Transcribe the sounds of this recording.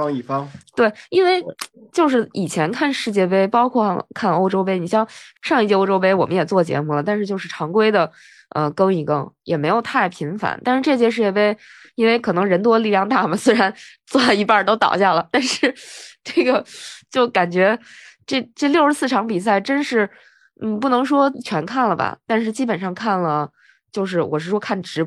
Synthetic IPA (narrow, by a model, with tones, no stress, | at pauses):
ɑ˥ŋi˥˩fɑ˥ŋt̪we˥˩ɪi˥nwe˥˧ɪt͡ɕjo˥˧ʊʂ̬ɻ̩˥˩i˨˩t͡ɕʰjɛ˧˥nkʰa˥˧nʂɻ̩˥˧t͡ɕjɛ˥˧˩p̬e˥ɪpɑ˥ʊkʰwɔ˥˧kʰa˥˩no˥ʊʈ͡ʂo˥ʊpe˥ɪni˨˩ɕjɑ˥˧ŋʂɑ˥˧ŋi˥˩t͡ɕjɛ˥˧o˥ʈ͡ʂo˥ʊpe˥ɪwɔ˨˩mə˦njɛ˨˩t͡swɔ˥˩t͡ɕjɛ̰˧˥mu˥˩lə˩t̪a˥˧nʂɻ̩˥˧t͡ɕjo˥˧ʊʂɻ̩˥˩ʈ͡ʂʰɑ˧˥ŋkwe˥ɪd̪ə˨ | ə̰˧kɤ˥ŋi˧˨˩kɤ˥ŋjʔɛ̰˨˩me˧˥ɪjo˨˩ʊt̪ʰa˥˩ɪpʰi˧˥ŋfa̰˧˩˦nt̪a˥˧nʂɻ̩˥˧ʈ͡ʂɤ˥˧ɕ̬jɛ˥ʂɻ̩˥˩jɛ˥˩pe˥˩ɪ | i˥nwe˥˧ɪkʰɤ˨˩nɤ˧˥ŋɻə˧˥nt̪̬wɔ˥˧li˥˧ljɑ˥˧ŋt̪a˥˩mɐ˩swe˥ɪa˧˥nt͡swɔ˥˧lɑ˥˩i˧˥pa˥˩t̪o˥ʊt̪ɑ̰˨˩ʊɕja˥˩lə˩t̪a˥˧nʂɻ̩˥˩ʈ͡ʂɤ˥˩ɡə˩t͡ɕjo˥˩ʊka˨˩nt͡ɕɥɛ˧˥ʈ͡ʂe˥˩ʈ͡ʂɤ˥˧ljo˥˧ʂɻ̩˥sɹ̩˥˩ʈ͡ʂʰɑ˧˥ŋpi˨˩s̬a˥˩ɪʈ͡ʂə˥nʂɻ̩˥˩ | n̩˥˩pu˥˩nɤ˧˥ŋʂwɔ˥t͡ɕʰɥɛ˧˥nkʰa˥˩nlə˩bɐ̰˩t̪a˥˧nʂ̬ɻ̩˥˧t͡ɕi˥pə˨˩nʂɑ˥˧ŋkʰa˥˩nlə˩ | t͡ɕjo˥˧ʊʂ̬ɻ̩˥˩wʔɔ˨˩ʂɻ̩˥˩ʂwɔ˥kʰa˥˩nʈ͡ʂɻ̩˧˥